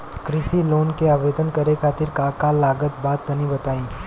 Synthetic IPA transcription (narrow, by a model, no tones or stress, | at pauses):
kɾɪsiloːnkeaːbeːd̪ənkɐɾekʰaːt̪ɪɾkaːkalaːɡət̪̚baːt̪nɐnĩbɐt̪aːĩː